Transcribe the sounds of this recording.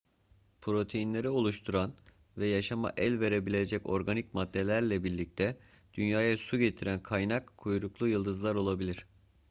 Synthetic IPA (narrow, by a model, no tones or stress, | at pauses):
pʰɾo̞t̪ʰe̞jinlʲe̞ɾio̞lˠuʃt̪ʰuɾan | vɛjaʃama̰ʔɛlʲve̞ɾe̞bilʲe̞d͡ʒɛco̞̰ɾɡanicmad̪ːe̞lʲæɾlʲɛbiɾlʲic̚t̪ʰɛ | d̪̥ynjaːjasuɟe̞t̪ʰiɾænkʰajnakʰːujɾuklˠujɯlˠd̪ɯzlˠaɾo̞lˠabilʲiɾ̥